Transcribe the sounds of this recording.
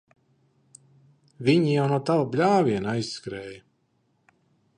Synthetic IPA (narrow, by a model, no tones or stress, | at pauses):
vʲiɲijawnuɔt̪awablʲaːvʲiɛnajsskɾɛːjɐ